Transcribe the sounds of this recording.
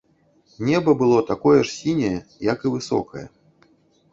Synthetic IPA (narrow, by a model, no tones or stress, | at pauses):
nʲɛbɐbɨlˠɔt̪akɔjɛʂsʲinʲɐjɛjɐkɨvɨsɔ̰kɐjɛ̰